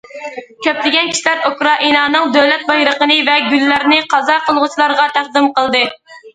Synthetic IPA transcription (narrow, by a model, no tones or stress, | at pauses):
kʲʰøplɪɡʲɛnkʰʲi̥ʃilæɾokɾɑʔinɑːnɨŋd̪øwlɛt̪̚bɑjɾəqənɨvɛɡʲylːæɾnɪqʰɑzɑqəlˠʁʊt͡ʃʰilˠɑɾʁɑt̪ʰæχd̪ɪmqəlˠd̪ɨ